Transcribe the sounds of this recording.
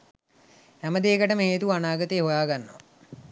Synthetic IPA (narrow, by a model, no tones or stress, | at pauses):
æməd̪eːkəʈəmeɦeːt̪uanaːɡət̪eːɦojaːɡanːoa